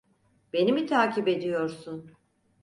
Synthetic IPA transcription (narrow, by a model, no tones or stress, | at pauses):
b̥e̞nimit̪ʰaːcʰibe̞d̪ijo̞ɾsun